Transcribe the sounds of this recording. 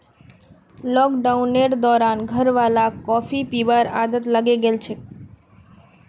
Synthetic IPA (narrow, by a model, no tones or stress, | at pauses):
lɔkɖawneɾd̪ɔɾanɡʱəɾʋalakɔfʰipibaɾa̰d̪ət̪laɡieɡelt͡ɕʰe